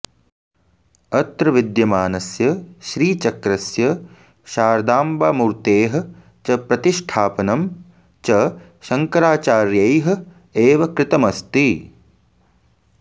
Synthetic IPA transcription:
ɐt̪ɾɐʋid̪jɐmaːnɐsjɐʃɾiːt͡ʃɐkɾɐsjɐ | ʃaːɾd̪aːmbaːmuɾt̪eːɦɐ̆ | t͡ʃɐpɾɐt̪iʃʈʰaːpɐnɐm | t͡ʃɐ | ʃɐŋkɐɾaːt͡ʃaːɾjɐjɦɐ̆ | eːʋɐkɾɪt̪ɐmɐst̪i

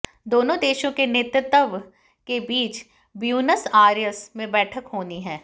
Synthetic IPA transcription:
d̪oːnõd̪eːʃõkenɪt̪ət̪əʋ | kebiːt͡ʃ | bjuːnəsaːɾijəsmẽbɛːʈʰəkɦoːniɦɛ̃ː

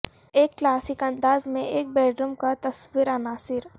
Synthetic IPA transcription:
eːkːlaːsɪkɐ̃nd̪aːzmẽʔeːk̚bɛːɖɾumkat̪ɐswiɾanaːsɪɾ

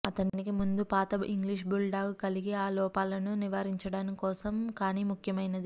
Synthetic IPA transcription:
ɐt̪ɐnnikimund̪upaːt̪ɐḭŋɡliʂ̬bulɖaːɡkɐliɡiaːlɔːpaːlɐnuniʋaːɾiɲt͡ʃɐɽaːnikɔːsɐmkaːniːmukʰjɐmɐjnɐd̪i

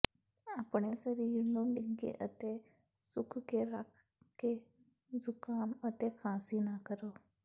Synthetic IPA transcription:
apɳesəɾijunomiɡḛʔə̰t̪e | sukʰkeɾakʰ | ke | d͡zukamət̪ekʰãsinakəɾo

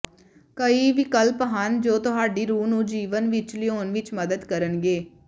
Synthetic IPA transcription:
kəiːʋiːkəlpɦand͡ʒoːt̪ʊɦaːɖiːɾuːnũːd͡ʒiːʋənʋɪt͡ʃlioːnʋɪt͡ʃməd̪əd̪kəɾənɡeː

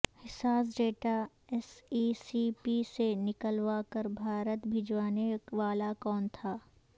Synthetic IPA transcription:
hɪsaːs̬ɖeːʈa | ɛsiːsipisenɪkəlʋakəɾbʱaːɾət̪bʱɪd͡ʒʋaːneʋaːlakɔːnt̪ʰaː

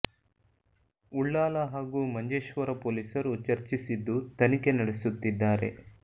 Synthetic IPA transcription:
uɭːaːlɐɦaːɡuːmɐɲd͡ʒeːʃʋɐɾɐpoːlisɐɾut͡ʃɐɾt͡ʃisid̪ːut̪ɐnike̞nɐɽesut̪ːid̪ːaːɾe̞̰

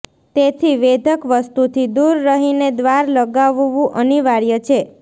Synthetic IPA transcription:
t̪et̪ʰiʋed̪ʱəkʋəst̪ut̪ʰid̪uɾːəɦined̪ʋaɾləɡaʋʋũʔəniʋaɾjət͡ʃʰe

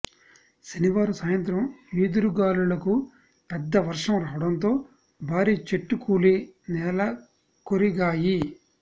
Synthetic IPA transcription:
seniʋaːɾusaːjɐnt̪ɾɐmʋiːd̪uɾuɡaːlulɐku | pɛd̪ːɐʋɐɾʂɐmɾaːʋɐɽɐnt̪̬o̞ː | bʱaːɾiːt͡ʃeʈːukuːlinɛːlɐ | koɾiɡaːji

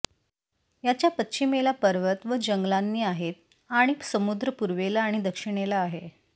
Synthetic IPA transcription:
jat͡ɕjapətːɕimelapəɾʋət̪ʋəd͡ʑəŋɡlanːiːaɦet̪̚ | aɽ̃isəmud̪ɾəpuɾʋelaːɽ̃id̪əkʂiɽ̃elaːɦe

